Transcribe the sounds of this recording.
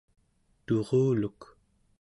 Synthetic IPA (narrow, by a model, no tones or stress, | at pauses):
t̪oʁuːluk